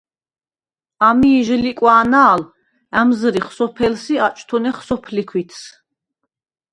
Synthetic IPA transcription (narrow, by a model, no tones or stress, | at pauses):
amiːʒlikʼwaːnaːl | æmzɾiχsɔpʰɛlsiat͡ʃʼt̪ʰɔnɛχsɔpʰlikʰwit̪ʰs